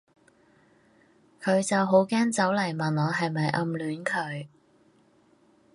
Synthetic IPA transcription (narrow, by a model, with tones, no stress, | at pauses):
kʰɵ˨˧ɥt͡sɐ˨wɦo˨˥wkɛː˥nt͡sɐ˨˥wlɐ˨˩jmɐ˨nɔː˨˧ɦɐ˨jmɐ˨jʔɐ˧mlyː˨˥nkʰɵ˨˧ɥ